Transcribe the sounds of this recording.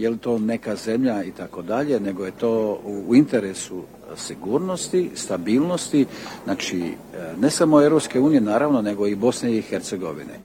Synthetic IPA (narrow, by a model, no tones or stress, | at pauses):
jelit̪o̞ːne̞kaze̞mʎait̪ako̞d̪aʎe̞ne̞ɡo̞je̞t̪o̞ːuːint̪e̞ɾesu | siɡuːɾno̞st̪ist̪abiːlˠno̞st̪inat͡ʃḭ | ne̞samo̞evɾo̞pske̞uːnije̞naːɾaʋnone̞ɡo̞ibo̞sne̞ixeɾt̪se̞ɡo̞̰ʋḭnḛ